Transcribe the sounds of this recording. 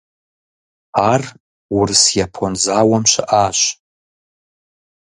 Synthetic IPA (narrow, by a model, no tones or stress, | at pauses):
ar | wʊrɨsjapʰonzaːwɐmʃʷɪʔaːɕʷ